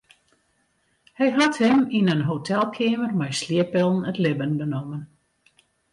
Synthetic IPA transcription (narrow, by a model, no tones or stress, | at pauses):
hɛjɦathəminənɦotʰɛlˠkʰɪːmərmɛjsliəpɪlˠn̩ətlɪbənbənomən